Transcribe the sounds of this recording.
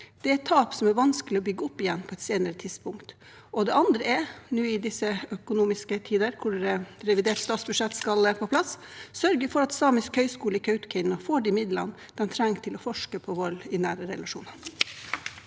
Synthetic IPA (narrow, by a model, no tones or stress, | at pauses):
d̪̥ɛæɾɛt̪ʰːɑːpsɔmæɾʋɑnskəlɪɔbʏɡːəʊpːɪjɛnpʰɔːɛt̪seːnəɾət̪ʰɪd̪spʊŋkt̪ | ɔd̪ɛʔɑnd̪ɾəɛnuːɪd̪ɪsəœkʊnuːmɪskət̪ʰiːd̪əɾkʰʊɛɾɛʋɪd̪eːʈst̪ɑːt̪sbʉd̪ʂɛt̪ːskɑlɛpʰoːpʰlɑs | sœɾɡəɾfɔɾɑt̪sɑːməskhœʏskuːləɪkʰœʉt̪kʰɪnəfoːɖɪmɪd̪lɑ̰n | d̪̥ɛnt̪ʰɾɛŋt̪ʰɪlɔfɔʂkəpʰɔʋɔlɪnæːɾəɾɛ̰lɑʂuːnɑɾ